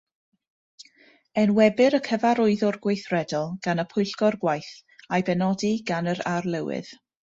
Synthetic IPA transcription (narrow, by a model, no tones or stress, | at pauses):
ɛnwɛbɨɾəkʰəvaɾʊɨðʊrɡwejθrɛdɔlˠɡ̥anəpʰʊjɬɡɔrɡwajθajbɛnɔdiɡanəɾarlˠɛwɪ̰ð